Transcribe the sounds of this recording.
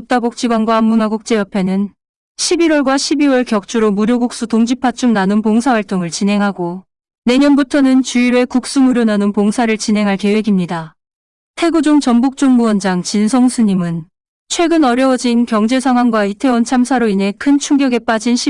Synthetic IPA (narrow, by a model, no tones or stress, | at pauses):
ut͈abok̚t͡ɕ͈iɡwanɡwaːmːunaɡuk̚t͡ɕ͈e̞jʌpʰe̞nɯn | ɕʰibiɾwʌɭɡwaɕʰibiwʌɭkjʌk̚t͡ɕ͈uɾomuɾjoɡuk̚s͈utoŋd͡ʑipʰat͡ɕ͈umnanɯnpoŋsʰawaɭt͈oŋɯɭt͡ɕinɦe̞ŋɦaɡo | ne̞ɲʌnbutʰʌnɯnt͡ɕuiɾe̞kuk̚s͈uŋɯɾonanɯnpoŋsʰaɾɯɭt͡ɕinɦe̞ŋɦaɭke̞we̞ɡimɲida | tʰe̞ɡud͡ʑoŋt͡ɕʌmbuk̚t͡ɕ͈oŋmuʌnd͡ʑaŋt͡ɕinsʰoŋsʰuɲimɯn | t͡ɕʰwe̞ɡɯnʌɾjʌwd͡ʑinkjʌŋd͡ʑe̞sʰaŋɦwaŋɡwaitʰe̞wʌnt͡ɕʰamsʰaɾoinɦe̞kʰɯnt͡ɕʰuŋɡjʌɡe̞p͈ad͡ʑinɕʰi